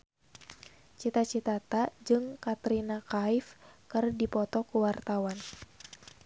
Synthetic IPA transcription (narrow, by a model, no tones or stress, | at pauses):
t͡ʃit̪at͡ʃit̪at̪ad͡ʒɨŋkat̪ɾinakaifkɨrdipɔt̪ɔkuwart̪awan